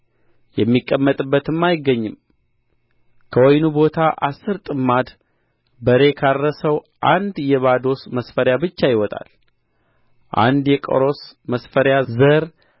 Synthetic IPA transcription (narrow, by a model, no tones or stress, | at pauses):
jɛmːikʼːəmːət̪ʼɨbːət̪ɨmːajɪɡːəɲːɨm | kʰəwɔjnubo̞t̪ʰaʔasːɨɾt̪ʼɨmːad̪ | bəɾe̞kʰarːəsəw | ʔand̪jɛβad̪o̞sməsfəɾjabɨt͡ʃːajɪwɔt̪ʼa̰l | ʔa̰nd̪jɛkʼə̰ɾo̞sməsfəɾjazəɾ